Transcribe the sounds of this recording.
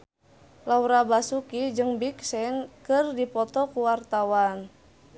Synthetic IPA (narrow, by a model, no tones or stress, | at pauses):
lauɾabasukid͡ʒəŋbiksɛnkɨrdipɔt̪ɔkuwart̪awan